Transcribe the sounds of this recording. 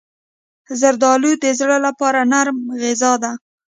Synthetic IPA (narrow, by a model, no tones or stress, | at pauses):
zaɾd̪ɑlud̪əzɽəlapɑɾanaɾmɣɪzɑd̪a